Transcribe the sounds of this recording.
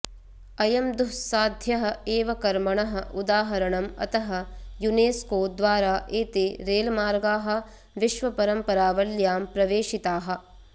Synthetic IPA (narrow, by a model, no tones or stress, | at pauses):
ɐjɐmd̪uɦsaːd̪ʱjɐɦɐ̆eːʋɐkɐɾmɐɳɐɦɐ̆ʔud̪aːɦɐɾɐɳɐmɐ̰t̪ɐɦɐ̆juneːskoːd̪ʋaːɾaːʔeːt̪eːɾeːlmaːɾɡaːɦɐ̆ | ʋiʃʋɐpɐɾɐmpɐɾaːʋɐljaːmpɾɐʋeːʃit̪aːɦɐ̆